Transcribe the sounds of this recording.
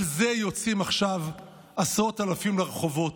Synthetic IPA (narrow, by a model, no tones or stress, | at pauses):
lze̞jo̞t͡simaχʃav | asʁo̞talafimleʁeχo̞vo̞t